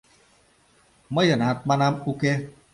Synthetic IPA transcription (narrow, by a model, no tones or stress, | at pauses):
məjənatk͡panamukɛ